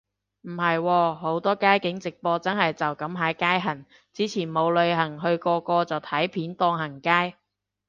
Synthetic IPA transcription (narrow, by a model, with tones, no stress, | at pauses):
m̩˨˩hɐ˨jwɔː˧ho˨˥wt̪ɔː˥kaː˥jkɪ˨˥ŋt͡sɪ˨k̚pɔː˧t͡sɐ˥nhɐ˨jt͡sɐ˨wkɐ˨˥mɦaː˨˥jkaː˥jɦɐ˨˩ŋ | t͡siː˨˥t͡sʰiː˨˩nmo˨˧wlɵ˨˧ɥɦɐ˨˩ŋɦɵ˧ɥkɔː˧kɔː˧t͡sɐ˨wt̪ʰɐ˨˥jpʰiː˨˥nt̪ɔː˧ŋɦɐ˨˩ŋkaː˥j